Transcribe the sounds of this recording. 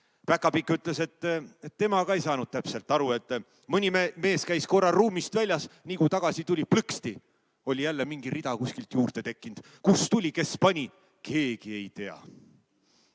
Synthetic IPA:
pækːˑɑpikːˑyt̪ˑle̞se̞t̪ːet̪ːe̞mɑɡ̥ɑejsɑːnud̪̥̚t̪æpse̞lt̪ːˑɑɾue̞t̪ːˑ | mɯnʲimme̞ːskæjsko̞rːɑruːmist̪vælʲjɑsniːkujt̪ɑɡ̥ɑsit̪ulʲiplɨkst̪i | o̞lʲijælːemiŋɡiɾid̪̥ɑkusʲkilt̪juːrt̪e̞t̪e̞kːˑind̪̥ | kust̪ulʲike̞spɑnʲi | kʰe̞ːɡ̥ie̞jt̪e̞ɑ̰

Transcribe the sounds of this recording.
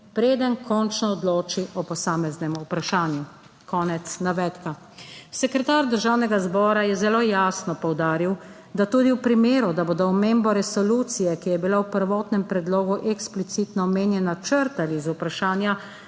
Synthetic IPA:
pɾeːd̪ənkʰɔnt͡ʃnɔːd̪loːt͡ʃiʔɔpɔsaːmɛznɛmuupɾaʃaːnju | kɔːnɛt̪snaʋɛːt̪ka | sɛkɾɛt̪aɾd̪əɾʒaːwnɛɡazbɔːɾajɛzɛloːjaːsnɔpɔwd̪aːɾiw | d̪at̪uːd̪iwpɾimeːɾud̪abod̪ɔɔmembɔɾɛsɔluːt̪sijɛkijɛbilawpəɾʋɔːt̪nɛmpɾɛd̪loːɡuʔɛksplit̪sit̪nɔːmeːnjɛnat͡ʃəɾt̪alizupɾaʃaːnja

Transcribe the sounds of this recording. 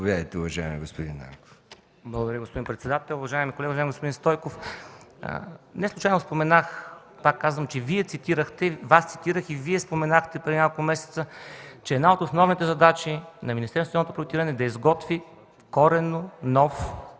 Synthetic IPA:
ovʲjaɾit̪ɛʊvɐʒaɛmiɡospod̪ḭnːa̰mko̥f | blˠɐɡod̪ɐɾʲjəɡospod̪inpɾɛt̪sɛd̪at̪ɛlˠʊvɐʒaɛmikolɛɡəuvʒaɛmɡospod̪inst̪ɔjkof | nɛslˠut͡ʃajnospomɛnax | pakːazvəmt͡ʃɛviɛt̪sit̪iɾəxt̪ɛvast̪si̥t̪iɾəxiviɛspomɛnaxt̪ɛpɾɛd̪inʲakokˠmɛsɛ̥t̪sət͡ʃɛːd̪naot̪osnɔvnit̪ɛzɐd̪at͡ʃinɐminist̪ɛɾnst̪avnot̪opɾot̪iɾənɛd̪ɐizɡɔt̪vi | fkɔɾɛnonɔf

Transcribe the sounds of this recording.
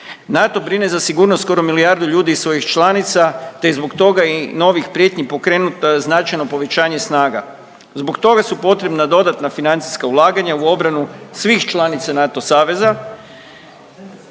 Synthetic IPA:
nat̪o̞bɾine̞zasiɡuːɾnost̪ko̞ɾomiliaɾd̪uʎuːd̪iːsʋo̞jixt͡ʃlˠanit̪sat̪e̞zbo̞kt̪o̞ɡaino̞ʋixpɾje̞t̪ɲipo̞kɾe̞ːnut̪aznat͡ʃajno̞po̞ʋe̞t͡ɕaːɲesnaːɡa̰ | zbo̞kt̪o̞ɡasupo̞t̪ɾe̞bnad̪o̞d̪at̪nafinant̪si̥skaulˠaːɡaɲauo̞bɾanusʋixt͡ʃlˠanit̪sanaːt̪o̞saːʋe̞za

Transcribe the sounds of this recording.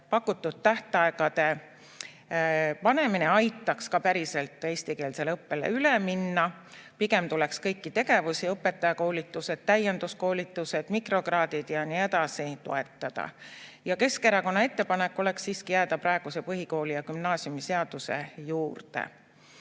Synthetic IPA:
pɑkːˑut̪ːˑud̪̥̚t̪ːæht̪ɑe̞ɡ̥ɑd̪e̞ | pɑne̞mineɑjt̪ˑːɑkskɑpæɾise̞lt̪ːˑe̞ːsʲt̪ike̞ːlse̞lɤpːe̞lḛyleminːɑ | piɡe̞mt̪ulekskɤ̞jkːit̪e̞ɡe̞vusiɤpːˑe̞t̪ːˑɑjɑko̞ːlit̪ːˑuse̞d̪̥̚t̪æjend̪usko̞ːlʲit̪ːˑuse̞d̪̥mikro̞krɑːd̪id̪̥jɑnie̞d̪ɑsit̪o̰e̞t̪ːɑd̪̥ɑ̰jɑke̞skeɾɑko̞nːɑe̞t̪ːe̞pɑnekːˑo̞le̞ksːiːskijæːd̪̥ɑpɾɑe̞ɡ̥use̞pɤɦiko̞ːlijɑkymnɑːsjumise̞ɑd̪̥use̞̰juːrt̪ḛ

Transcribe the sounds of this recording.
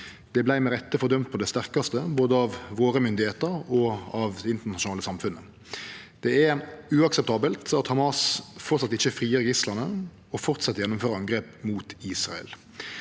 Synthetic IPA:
d̪̥ɛblæɪmɛʁɛt̪ːəfɔd̪œmt̪̚pʰɔd̪ɛst̪æʁkɑst̪əboːd̪əɑʋʋoːɾəmʏnd̪ɪheːt̪əɾɔɑʋd̪ɛɪnt̪əʁnɑʃʊnɑːləsɑmfʉnːə | d̪̥ɛæɾʉːɑksɛpt̪ʰɑːbəlt̪ɑt̪hɑmɑːsfɔʁt̪sɑt̪ːɪçəfʁiːəɾɡɪslɑnə | ɔfɔʁt̪sɑt̪ːəʁjɛnːʊmføːɾəɑŋɡʁeːpmuːt̪iːsʁɑ̰ɛ̰l

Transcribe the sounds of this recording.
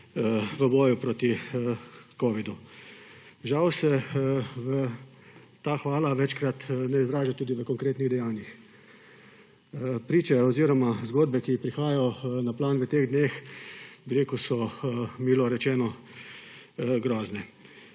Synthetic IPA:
ʋəbɔːjupɾoːt̪i | koːʋid̪u | ʒawsɛ | ʋə | t̪aːxʋaːlaʋɛːt͡ʃkɾat̪nɛizɾaːʒat̪uːd̪iʋəkɔŋkɾeːt̪niɣd̪ɛjaːnjix | pɾiːt͡ʃɛɔziːɾɔmazɡoːd̪̚bɛkipɾixaːjɔnaplaːnʋət̪eːɣd̪neːxbiɾeːkusɔmiːlɔɾɛt͡ʃɛːnɔ | ɡɾɔːznɛ

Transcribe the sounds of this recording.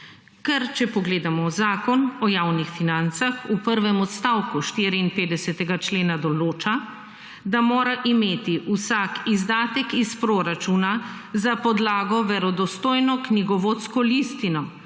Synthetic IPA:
kɛɾt͡ʃɛpɔɡleːd̪amɔzaːkɔnɔjawnixfinant̪saxupəɾʋɛmɔt̪st̪awkuʃt̪iːɾiinpeːd̪ɛsɛt̪ɛɡat͡ʃleːnad̪ɔloːt͡ʃa | d̪amoːɾaʔimeːt̪iʔusakizd̪aːt̪ɛkispɾoɾat͡ʃuːnazapɔd̪laːɡɔʋɛɾɔd̪ɔst̪oːjnɔkniɡɔʋoːt̪skɔlist̪inɔ

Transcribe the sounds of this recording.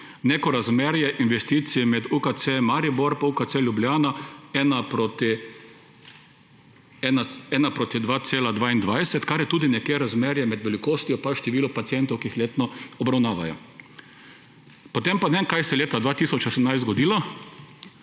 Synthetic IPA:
nekɔɾazmeɾjɛʔinʋɛst̪it̪simɛd̪ukat̪semaɾiboɾpaukaseljublʲjaːnaɛnapɾot̪i | ɛnaɛnapɾoːt̪id̪ʋaseːlad̪ʋaːind̪ʋajsɛt̪kaɾjɛt̪uːd̪inɛkjeːɾazmeːɾjɛmɛd̪ʋɛlikoːst̪ijɔpaʃt̪ɛʋiːlɔpat̪siɛnt̪ɔwkiixleːt̪nɔɔbɾawnaːʋa̰jɔ̰ | pot̪empanenkajsɛleːt̪ad̪ʋaːt̪iːsɔt͡ʃosɛmnajszt̪zɡɔd̪iːla

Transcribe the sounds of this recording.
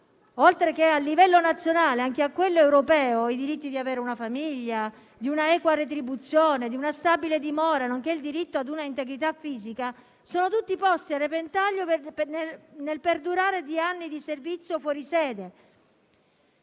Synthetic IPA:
olt̪ɾek̟ealːivɛlːonat̪sjonaːleaŋk̟eakːwelːoewɾopɛːoid̪iɾit̪ːid̪iaveːɾeunafamiʎːa | d̪iunaɛːkwaret̪ɾibut̪sːjoːned̪iunast̪abiled̪imɔːɾanoŋk̟eild̪iɾit̪ːoad̪unaint̪eɡɾit̪̬afːiːzika | soːnot̪ut̪ːipɔst̪iarːepent̪aʎːopnenelperd̪uɾaːɾed̪ianːid̪iservit̪sːjofwɔːɾisɛːd̪e

